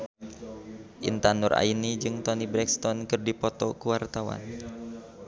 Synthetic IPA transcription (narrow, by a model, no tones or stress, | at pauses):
ʔḭnt̪anʊra̰inid͡ʒɨŋt̪ɔnibɾɛkst̪ɔnkɨrdipɔt̪ɔkuwart̪awa̰n